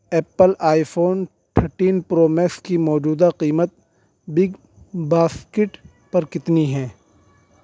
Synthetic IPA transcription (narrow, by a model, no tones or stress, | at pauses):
ɛːpəlaːifʰoːn | ʈ̪ʰəɾʈiːnpɾoːmeːkskimɔːd͡ʒuːd̪aqiːmət̪̚ | bɪɡ | baːskɪʈ | pɐɾkɪt̪niɦɛ̃ː